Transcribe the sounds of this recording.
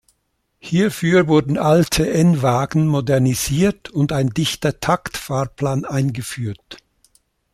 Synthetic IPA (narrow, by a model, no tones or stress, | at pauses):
hiːɐfyːɐvʊɐdn̩ʔaltʰəʔɛnvaːɡn̩modɛɐniz̥iːɐtʊndaɪndɪçtɐtʰaktfaːʁpʰlaːnʔaɪnɡəfyːɐt